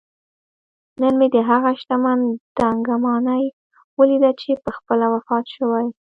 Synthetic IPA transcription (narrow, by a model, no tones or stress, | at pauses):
nənmed̪əɦaɣaʃt̪amand̪aŋɡamɑnaj | wəlid̪at͡ʃepəxpəlawafɑt̪ʃəwaj